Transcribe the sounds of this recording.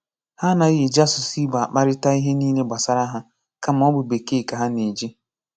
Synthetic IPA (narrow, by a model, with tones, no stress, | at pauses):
ha˦na˨i˦ɦi˨d͡ʒa˦sʊ˨si˦ɡ͡ba˨k͡pa˦ɾɪ˦ta˦i˦ɦe˦niː˦le˦ɡ͡ba˨sa˦ɾa˦ɦa˦ | ka˦m˦ɔ˦bʊ˨be˨ke˦˨ka˨ɦa˦ni˨d͡ʒi˦